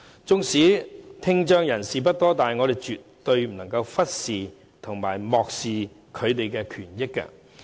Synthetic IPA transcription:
t͡sʊ˥ŋsiː˨˥t̪ʰɪ˥ŋt͡ʃœː˥ŋjɐ˨˩nsiː˨p̬ɐ˥t̚t̪ɔː˥t̪aː˨˩jŋɔː˨˧ɾe˨jt͡ʃy˨tt̪ːɵ˧ɥm̩˨˩nɐ˨˩ŋkɐ˧wfɐ˥t̚siː˨ | t̪ʰʊ˨˩ŋma̰ː˨˩jmɔː˨k̚siː˨ | kʰɵ˨˧ɥt̪e˨jkɛː˧kʰyː˨˩njɪ˥kːɐ̰˧

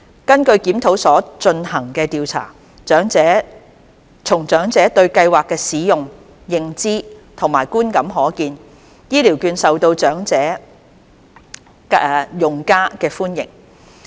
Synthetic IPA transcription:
kɐ˥nkɵ˧ɥkiː˨˥mt̪ʰo˨˥wsɔː˨˥t͡ʃɵ˧nhɐ˨˩ŋkɛː˧t̪iː˧wt͡sʰa̰ː˨˩ | t͡ʃœː˨˥ŋɛː˨˥ | t͡sʰʊ˨˩ŋt͡ʃœː˨˥ŋt͡sɛː˨˥t̪ɵ˧ɥkɐ˧jwaː˨˩kːɛː˧siː˨˥jʊ˨ŋ | jɪ˨ŋt͡siː˥t̪ʰʊ˨˩ŋma̰ː˨˩jkuː˥nkɐ˨˥mɦɔː˨˥kiː˧n | jiː˥liː˨˩wkyː˧nsɐ˨wt̪o˧wt͡ʃœː˨˥ŋt͡sɛː˨˥˨ | jʊ˨ŋkaː˥kɛː˧fuː˥njɪ̰˨˩ŋ

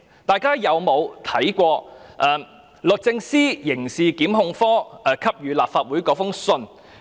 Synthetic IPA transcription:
t̪aː˨˧jkaː˥jɐ˨˧wmo˨˧wt̪ʰɐ˨˥jkʷɔː˧ʔɛː˧ | lɵ˨k̚t͡sɪ˧ŋsiː˥jɪ˨˩ŋsiː˨kiː˨˥mɦʊ˧ŋfɔː˥ʔɛː˨˩kʰɐ˥p̚jyː˨˧laː˨p̚faː˧t̚wuː˨˥jkɔː˨˥fʊ˥ŋsɵ˧n

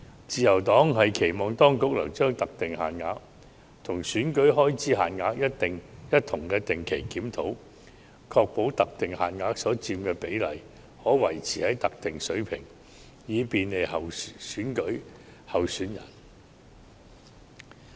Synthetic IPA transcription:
t͡siː˨jɐ˨˩wt̪ɔː˨˥ŋhɐ˨jkʰe˨˩jmɔː˨˧ŋt̪ɔː˥ŋkʊ˨˥k̚lɐ̰˨˩wt͡ʃœː˥ŋt̪ɐ˨k̚t̪ɪ˨ŋhaː˨˩nŋaː˨˧˥k̚ | t̪ʰʊ˨˩ŋsyː˨˥nkɵ˨˥ɥɦɔː˥jt͡siː˥ɦa̰ː˨nŋaː˧˥k̚jɐ˥tt̪ɪ˨ŋjɐ˥t̚t̪ʰʊ˨˩ŋkɛː˧t̪ɪ˨˩ŋkʰe˨˩jkiː˨˥mt̪ʰo˨˥w | kʰɔː˧k̚po˨˥wt̪ɐ˨k̚t̪ɪ˨ŋhaː˨nŋaː˧k̚sɔː˨˥t͡siː˧mkɛː˧pe˨˥jlɐ˨˩j | hɔː˨˥wɐ˨˩jt͡sʰiː˨˩hɐ˨˥jt̪ɐ˨k̚t̪ɪ˨ŋsɵ˨˥ɥpʰɪ˨˩ŋ | jiː˨˧piː˨nle˨˧jhɐ˨wsyː˨˥nkɵ˨˥ | hɐ˨wsyː˨˥njɐ̰˨˩n

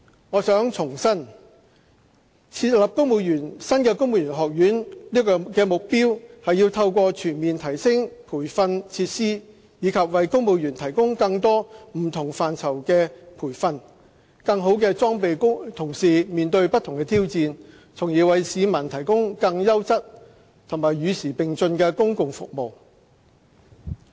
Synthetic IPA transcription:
ŋɔː˨˧sœː˨˥ŋt͡sʰʊ˨˩ŋsɐ˥n | t͡sʰiː˧t̚lɐ˨p̚kʊ˥ŋmu˨˧jyː˨˩nsɐ˥nkɛː˧kʊ˥ŋmu˨˧wjyː˨˩nɦɔː˨k̚jyː˨˥nliː˥kɔ˧kɛː˧mʊ˨k̚piː˥whɐ˨jiː˧wt̪ʰɐ˧wkʷɔː˧t͡ʃʰyː˨˩nmiː˨nt̪ʰɐ˨˩jsɪ˥ŋpʰuː˨˩jfɐ˧nt͡sʰiː˧t̚siː˥ | jiː˨˧kʰɐ˨p̚wɐ˨jkʊ˥ŋmo˨˧jyː˨˩nt̪ʰɐ˨˩jkʊ˥ŋkɐ˧ŋt̪ɔː˥m̩˨˩t̪ʰʊ˨˩ŋfaː˨nt͡sʰɐ˨˩wkɛ˧pʰuː˨˩jfɐ˧n | kɐ˧ŋɦo˨˧˥wkɛː˧t͡sɔː˥ŋpe˨jkʊ˥ŋt̪ʰʊ˨˩ŋsiː˨miː˨nt̪ɵ˧ɥpɐ˥t̪ʰːʊ˨˩ŋkɛː˧t̪ʰiː˥wt͡siː˧n | t͡sʰʊ˨˩ŋjiː˨˧wɐ˨˧jsiː˨˧mɐ˨˩nt̪ʰɐ˨˩jkʊ˥ŋkɐ˧ŋjɐ˥wt͡sɐ˥t̚ | t̪ʰʊ˨˩maː˨˩jːyː˨˧siː˨˩pɪ˨ŋt͡sɵ˧nkɛː˧kʊ˥ŋkʊ˨ŋfʊ̰˨k̚mo˨w

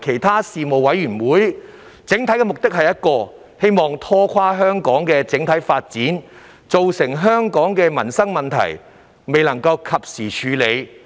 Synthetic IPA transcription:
kʰe˨˩jt̪ʰaː˥siː˨mo˨wɐ˨˥jɥyː˨˩nwuː˨˥j | t͡sɪ˨˥ŋt̪ʰɐ˨˥jkɛ˧mʊ˨k̚t̪ɪ˥k̚hɐ˨jɐ˥t̚kɔː˧ | he˥jmɔː˨ŋt̪ʰɔː˥kʰaː˥ɦœː˥ŋkɔː˨˥ŋkɛː˧t͡sɪ˨˥ŋt̪ʰɐ˨˥jfaː˧t̚t͡siː˨˥n | t͡so˨wsɪ˨˩ŋɦœː˥ŋkɔː˨˥ŋkɛː˧mɐ˨˩nsɐ˥ŋmɐ˨nt̪ʰɐ̰˨˩j | me˨jlɐ˨˩ŋkɐ˧wkʰɐ˨p̚siː˨˩t͡ʃʰyː˨˧le˨˧j

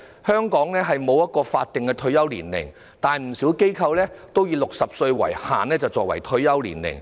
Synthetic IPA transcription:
hœː˥ŋkɔː˨˥ŋlɛː˥ɦɐ˨jmo˨˧wjɐ˥t̚kɔː˧faː˧t̚t̪ɪ˨ŋkɛː˧t̪ʰɵ˧ɥjɐ˥wlḭː˨˩nlɪ̰˨˩ŋ | t̪aː˨˩nm̩˨˩si˨˥wke˥jkʰɐ˧wlɛː˥t̪o˥wjiː˧lʊ˨k̚sɐ˨p̚sɵ˧ɥwɐ̰˨˩jha̰ː˨˩nlɛː˥t͡sɐ˨˩wt͡sɔː˨k̚wɐ̰˨˩jt̪ʰɵ˧ɥjɐ˥wlḭː˨˩nlɪ̰˨˩ŋ

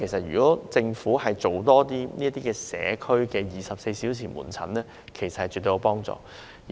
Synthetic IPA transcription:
e˨˩jsɐ˨t̚jyː˨˩kɔː˨˥t͡sɪ˧ŋfuː˨˥hɐ˨jt͡so˨wt̪ɔː˥t̪iː˥niː˥t̪iː˥kɛː˧sɛ̰ː˨˥kʰɵ˥ɥkɛː˧jiː˨˩sɐ˨p̚se˧jsiː˨˥wt͡sʰiː˨˩nmṵː˨˩nt͡sʰɐ̰˨˥nlɛː˥ | kʰe˨˩sɐ˨thɐ˨jt͡ʃy˨t̪ːo˧jpɔː˥ŋt͡sɔ̰ː˨˧

